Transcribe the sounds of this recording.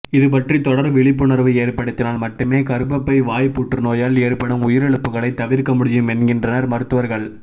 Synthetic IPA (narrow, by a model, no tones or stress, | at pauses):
ɪðɯp̬ɐʈrit̪ɔɽɐɾʋɪɭɪpːɯnɐɾʋɯeːɾpːɐɽɯt̪ːɪnaːlmɐʈːɯmeːkɐɾɯpːɐpːɐɪʋaːjpuːʈrɯnoːjaːleːɾpɐɽɯmʊjɪɾɛɭɯpːɯɣɐɭɐɪt̪ːɐʋɪɾkɐmʊɽɪjɯmɛnɡɪndrɐnɐɾmɐɾɯt̪ːɯʋɐɾɣɐɭ